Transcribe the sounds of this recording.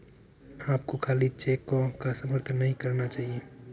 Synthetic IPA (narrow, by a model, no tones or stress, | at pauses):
aːp̚kokʰaːlit͡ʃekːɔ̃kasəməɾt̪ʰnːəɦĩkəɾnat͡ʃaːɦie